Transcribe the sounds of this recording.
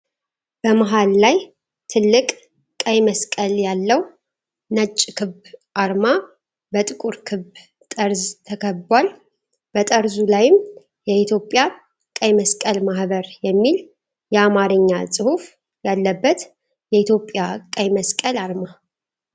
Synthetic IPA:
b̥əmaɦalːaj | t̪ʰɨlːɨkʼ | kʼəjməskʼəljalːəw | nət͡ʃʼːkʰɨβʔaɾma | bət̪ʼɨkʼuɾkʰɨb | t̪ʼəɾzt̪ʰəkʰəβbwal | b̥ət̪ʼəɾzulajɪm | jɛit̪ʰjo̞pʼːja | kʼəjməskʼəlmahbəɾjɛmːil | jɛamaɾɨɲːasʼɨhuf | jalːəbːət̪ | jɛit̪ʰjo̞pʼːjakʼəjməskʼəlaɾma

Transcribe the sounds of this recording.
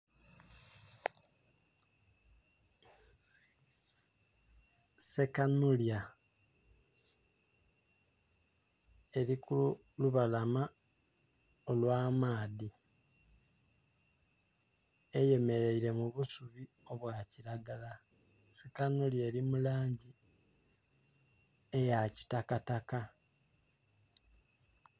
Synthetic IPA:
sekanulja | e̞ɾikulu | luβalama | olwaːmaːði | eje̞me̞ɾe̞iɾe̞muβusuβi | o̞βwaciɾaɡala | sekanuljeːɾimulaːɲɟi | ejaci̥takataka

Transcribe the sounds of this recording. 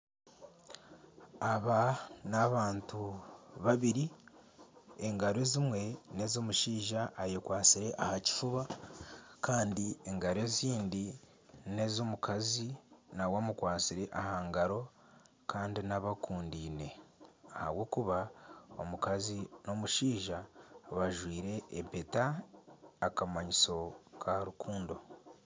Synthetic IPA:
aβanaβaːntuβaβiɾi | eŋɡaɾe̞ːzimwe̞ne̞zomuʃiːʒaʔːjekwaːt͡siɾe̞ʔahaci̥fuβa | kaːndie̞ŋɡaɾe̞ːziːndi | ne̞zomukʰazinawamukwaːt͡siɾe̞ʔahaːŋɡaɾo̞ | kaːndinaβakuːndiːne̞aha̰βwo̞ːkuβaomukazino̞muʃiːʒaβaʒwiːɾe̞ːpetaː | kamaɲiso̞kʰaɾukʰuːndo̞

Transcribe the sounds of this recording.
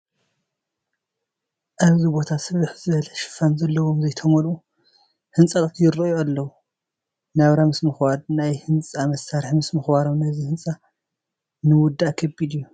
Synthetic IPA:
ʔaβzibo̞t̪ʰasɨβɨħzɨβɐlɐʃɪ̥fanzɐlːɐwo̞mzɐjt̪ʰɐmolu | hɨnt͡sʼat̪ʼɨt̪ʰjɪɾɐjualːɐwu | naβɾamɨsmɨxbadnajhɨnt͡sʼamɐsaɾħimɨsmɨxbaɾo̞mnɐzihɨnt͡sʼa | nɨwʊd̪ːakʰɐbid̪ju

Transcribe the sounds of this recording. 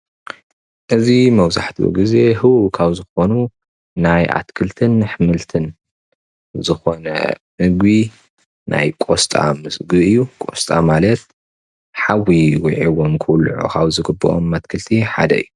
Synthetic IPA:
ʔɨzimɐwzaħt̪ʰiwɔ̰ɡize̞ɦɨwuʔkʰaβzɨxo̞nu | najʔa̰t̪kʰɨlt̪ʰɨnħɨmɨlt̪ʰɨn | zɨxo̞nɐ̰ | mɨɡbi | nʔa̰jkʼo̞st̪ʼa̰mɨsɡɨɨjːukʼo̞st̪ʼa̰malɐt̪ | ħawːiwiʕiwomkʰɨwlʕṵkʰaβzɨɡɨbːɨʔo̰mːat̪̚kʰɨlt̪ʰiħad̪ɐɨ̰jːu

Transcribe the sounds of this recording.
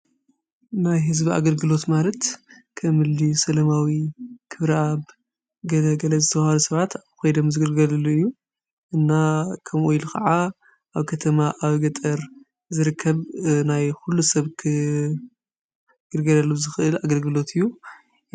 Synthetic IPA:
najɦɨzbia̰ɡɐlɡɨlo̞t̪malɐt̪ | kʰɐmɨlːisɐlɐmawikʰɨβɾɐaβ | ɡɐlɐɡɐlɐzɨt̪ʰɐβahɐlusɐβat̪aβxʰojd̪omzɨɡɨlɡɐlɐlːuɨjːu | ʔɨnːakʰɐmʔujlukʰɐʕa | ʔaβkʰɐt̪ʰɐmaʔaβɡɐt̪ʼɐɾ | zɨɾɨkʰːɐβnajxulːusɐβkʰɨ | ɡ̥ɨlɡɐlɐlːuzɨxɨʔɨlaɡɐlɡɨlo̞t̪ʰɨjːu

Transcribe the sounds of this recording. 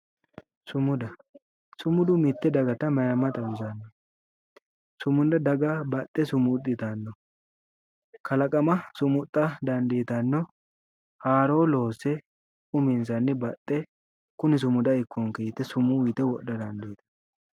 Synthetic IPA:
sʊmʊd̪ɐ | sʊmʊd̪ʊmɪt̪ːɛd̪ɐɡɐt̪ɐmɐjɐmːɐt̪ʼɐmzɐnːɔ | sʊmʊnd̪ɐd̪ɐɡɐbɐt̪ʼːɛsʊmʊt̪ʼːɪt̪ɐnːɔ | kɐlɐkʼɐmɐsʊmʊt̪ʼːɐd̪ɐnd̪eːt̪ɐnːɔ | haːɾo̞ːlo̞ːsɛ | ʊmɪnsɐnːɪbɐt̪ʼːɛ | kʊnɪs̬ʊmʊd̪ɐɪkːɔŋkejt̪ːɛsʊmʊwɪt̪ɛwɔɗɐd̪ɐnd̪eːt̪ɐ̥

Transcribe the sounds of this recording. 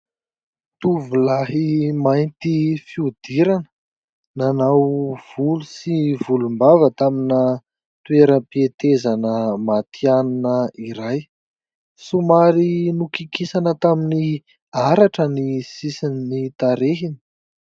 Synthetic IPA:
t̪uvulaɦimajnt̪ifiud̪̥iɾanə | nanawv̥ulusivulumbavət̪aminə | t̪ueɾəpiet̪ezanəmat̪ʰianunəiɾaj | sumaɾinukikisanət̪amini | aɾaʈ͡ʂənisisinnit̪aɾeɦini̥

